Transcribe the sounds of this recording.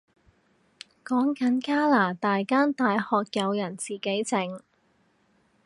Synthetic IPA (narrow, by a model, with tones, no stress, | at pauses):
kɔː˨˥ŋkɐ˨˥nkaː˥laː˨˩t̪aː˨jkaː˥nt̪aː˨jhɔː˨k̚jɐ˨˧wjɐ˨˩nt͡siː˨˩ke˨˥jt͡sɪ˨˩ŋ